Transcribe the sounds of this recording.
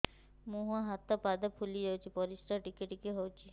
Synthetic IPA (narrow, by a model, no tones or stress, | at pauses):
muɦuaɦat̪ːapad̪apʰulied͡ʑawt͡ɕʰipɔɾisɾaʈikeʈikeɦowt͡ɕʰi